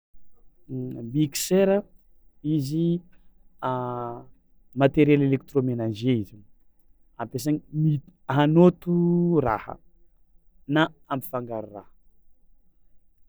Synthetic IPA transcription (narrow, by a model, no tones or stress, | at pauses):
mikseɾə | izi | mat̪eɾjelelek̚t̪romenad͡ʒeizi | ampes̬aɲimitɦanot̪uɾa̰hə̰ | naampi̥faŋɡaɾurahə